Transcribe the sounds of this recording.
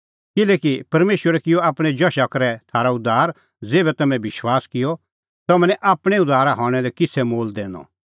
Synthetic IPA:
kɪlɛːkipɐɾmeːʃwəɾɛkɪjoaːpɽ̃ɛd͡ʒɐʃakɐɾɛtʰaːɾaʊd̪ʱaːɾ | d͡zeːbɛt̪ɐmɛ̃bɪʃwaːskɪjɔ | t̪ɐmɛ̃nɛʔaːpɽ̃ɛʊd̪ʱaːɾaɦɔːɽ̃ɛlɛkɪt͡sʰɛmoːld̪ẽːnɔ̰

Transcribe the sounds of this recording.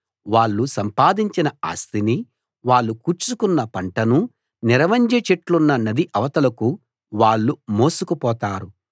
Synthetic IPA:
ʋaːɭːusɐmpaːd̪iɲt͡ʃinɐa̰ːst̪ini | ʋaːɭːukuːɾt͡ʃukunːɐpɐɳʈɐnu | niɾɐʋɐɲd͡ʒet͡ʃeʈlunːɐnɐd̪iʔɐʋɐt̪ɐlɐku | ʋaːɭːumo̞ːsukupɔːt̪aːɾu

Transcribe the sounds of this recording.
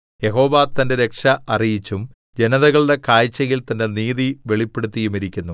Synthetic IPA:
je̞ɦo̞ːʋaːt̪ːɐnde̞ɾe̞kʂɐɐrijit͡ɕːum | d͡ʑe̞nɐðɐɣɐɭɽe̞kaːjt͡ɕːɐɣilt̪ɐnde̞niːðiʋe̞ɭipːe̞ɽut̪ːijumiɾikʲːunːu

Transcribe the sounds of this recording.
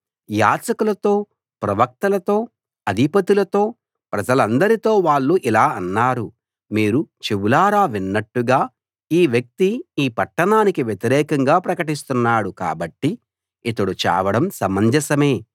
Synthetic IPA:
ja̰ːt͡ʃɐkulɐt̪o̞ː | pɾɐʋɐk̚t̪ɐlɐt̪o̞ː | ɐd̪ʱipɐt̪ilɐt̪o̞ː | pɾɐd͡ʒɐlɐnd̪ɐɾit̪o̞ːʋaːɭːuʔilaːɐnːaːɾu | miːɾut͡ʃeʋulaːɾaːʋinːɐʈːuɡaː | iːʋjɐk̚t̪iiːpɐʈːɐɳaːnikiʋjet̪iɾɛːkɐŋɡaːpɾɐkɐʈist̪unːaːɽuka̰ːbɐʈːi | it̪ɐɽut͡ʃa̰ːʋɐɽɐmsɐmɐɲd͡ʒɐsɐme̞ː

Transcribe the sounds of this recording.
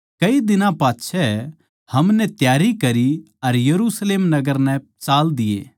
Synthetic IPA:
kɐid̪ɪnãpaːtːʃʰɛ | hɐmnɛt̪jaːɾikɐɾi | ɐɾjɐɾusleːmnɐɡəɾnɛ̃ | t͡ʃaːld̪ɪjḛː

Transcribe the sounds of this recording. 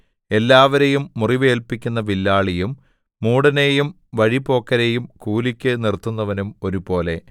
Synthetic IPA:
e̞lːaːʋɐɾe̞jumːuriʋe̞ːlpikʲːunːɐʋilːaːɭijumː | uːɽɐne̞jum | ʋɐɻipo̞ːkːɐɾejumkuːlikʲːɨnirt̪ːunːɐʋɐnumo̞ɾubo̞ːle̞

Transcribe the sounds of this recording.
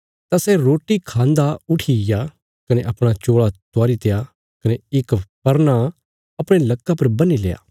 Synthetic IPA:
t̪asɛɾoːʈikʰãːnd̪aʊʈʰiɪja | kɐneʔɐpɽ̃at͡ʃoːɭat̪ʊaːɾit̪eja | kɐneɪkpɐɾna | ɐpɽ̃elɐkːapɐɾbɐnilḛja̰ː

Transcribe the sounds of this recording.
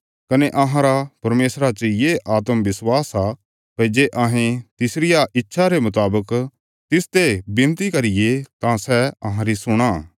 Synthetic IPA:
kɐneʔɐɦãɾapɐɾmeːsɾat͡ʃəjeːʔaːt̪əmbɪswaːsa | ped͡ʒeʔɐɦẽt̪ɪsɾɪjaʔɪtːʃʰaɾemʊt̪aːbək | t̪ɪst̪ebɪ̃nt̪ikɐɾɪjet̪ãsɛɐɦãɾisʊɽ̃a

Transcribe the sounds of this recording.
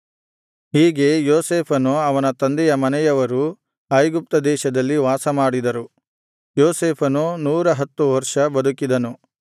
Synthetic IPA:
ɦiːɡe̞joːseːpʰɐnuɐʋɐnɐt̪ɐnd̪ɛjɐmɐnɛjɐʋɐɾu | ɐjɡup̚t̪ɐd̪ɛːʃɐd̪ɐlːiʋaːsɐmaːɽid̪ɐɾu | joːseːpʰɐnunuːɾɐɦɐt̪ːuʋɐɾʂɐbɐd̪ukid̪ɐnu

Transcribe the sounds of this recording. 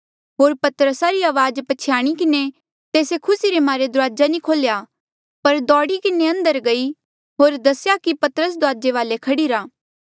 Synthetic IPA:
ɦoːɾpɐt̪əɾəsaɾiaːʋaːd͡ʒpɐt͡ʃʰɪjaːɽ̃ikɪne | t̪eːsekʰʊsiɾemaːɾed̪ʊɾaːd͡ʒanikʰoːlja | pɐɾd̪ɔːɽikɪneɐ̃nd̪əɾɡɐi | ɦoːɾd̪ɐsjakipɐt̪əɾəs̬d̪ʊaːd͡ʒeʋaːlekʰɐɽiɾaː

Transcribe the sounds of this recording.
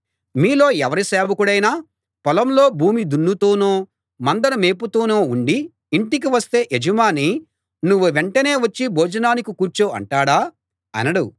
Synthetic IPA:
miːlo̞ːɛʋɐɾiseːbɐkuɽɐjnaː | pɔlɐmlo̞ːbʱuːmid̪unːut̪oːnoː | mɐnd̪ɐnɐme̞ːput̪oːnoːuɳɖiː | ɳʈik̬iʋɐst̪e̞ːʔed͡ʒɐmaːni | nuʋːuʋeɳʈɐne̞ːʋɐt͡ʃːibʱoːd͡ʒɐnaːnikikuːɾt͡ʃoːɐ̰ɳʈaːɽaː | ɐ̰nɐɽu

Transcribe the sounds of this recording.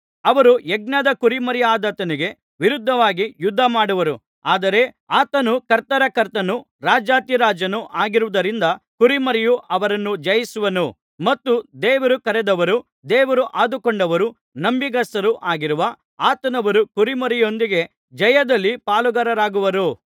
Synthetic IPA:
ɐʋɐɾuɛɡ̚nɐd̪ɐkuɾimɐɾijaːd̪ɐt̪ɐniɡe̞ | ʋiɾud̪ʱːɐʋaːɡijud̪ʱːɐmaːɽuʋɐɾu | aːd̪ɐɾe̞ | aːt̪ɐnukɐɾt̪ɐɾɐkɐɾt̪ɐnu | ɾaːd͡ʒaːt̪iɾaːd͡ʒɐnuʔaːɡiɾuʋɐd̪ɐɾind̪ɐkuɾimɐɾijuʔɐʋɐɾɐnːud͡ʒɐjisuʋɐnu | mɐt̪ːud̪ɛːʋɐɾukɐɾɛd̪ɐʋɐɾu | d̪ɛːʋɐɾuʔaːd̪ukoɳɖɐʋɐɾu | nɐmbiɡɐsɐɾuʔaːɡiɾuʋɐ | aːt̪ɐnɐʋɐɾukuɾimɐɾijo̞nd̪iɡe̞ | d͡ʒɐjɐd̪ɐlːipaːluɡɐɾɐɾaːɡuʋɐɾu

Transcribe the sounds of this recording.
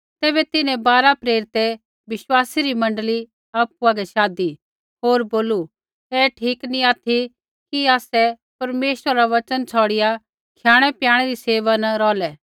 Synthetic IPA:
t̪ɛːbɛt̪ɪnɛ̃baːɾapɾeːɾɪt̪ɛ | ʋɪʃwaːsiɾimɐ̃ɳɖəli | aːpuaɡɛʃaːd̪i | ɦoːɾboːlu | ɛːʈʰiːknĩaːt̪ʰi | kiaːsɛ | pɐɾmeːʃəɾːaʋɐt͡ʃənt͡ʃʰɔːɽɪja | kʰjaːɽ̃ɛpjãːɽ̃ɛɾiseːʋanɐɾɔːlɛ

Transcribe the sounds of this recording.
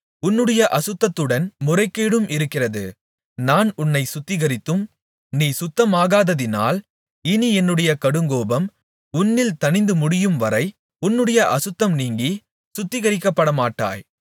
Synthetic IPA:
ʊnːɯɽɐjɐʔɐsɯt̪ːɐt̪ːɯɽɐnmʊrɐɪkːeːɽɯmʔɪɾɯkːɪrɐðɯ̰ | naːnʊnːɐɪsʊt̪ːɪɣɐɾɪt̪ːɯm | niːsʊt̪ːɐmaːɣaːðɐðɪna̰ːl | ɪniɛnːɯɽɐjɐkɐɽɯŋɡoːbɐm | ʊnːɪlt̪ɐnɪnd̪ɯmʊɽɪjɯmʋɐɾɐɪ | ʊnːɯɽɐjɐʔɐsɯt̪ːɐmniːŋɡi | sʊt̪ːɪɣɐɾɪkːɐpːɐɽɐmaːʈːa̰ːj

